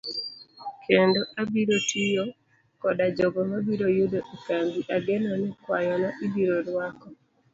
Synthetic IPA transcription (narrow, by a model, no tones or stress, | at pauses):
kʰendoʔabiɾotʰijo | kɔdad͡ʒɔɡɔmabiɾojudoʔikaŋɡiʔaɡenɔnɛkwajɔnaʔibiɾoɾwakɔ